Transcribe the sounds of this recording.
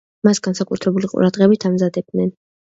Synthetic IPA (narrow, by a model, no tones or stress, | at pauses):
masɡ̥ansakʼṵt̪ʰɾɛbuliqʼṵɾad̪ʁɛbit̪ʰamzad̪ɛb̚d̪nɛn